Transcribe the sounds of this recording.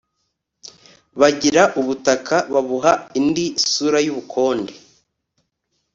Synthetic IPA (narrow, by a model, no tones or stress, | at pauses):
βaɟiɾaʔuβutakaβaβuɦaindisuɾajuβukʰo̞ːnde